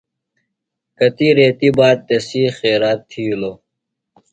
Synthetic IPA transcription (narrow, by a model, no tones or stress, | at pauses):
kɐt̪iːɾeːt̪ibaːd̪̚t̪esiːxeːɾaːt̪ʰːiːlo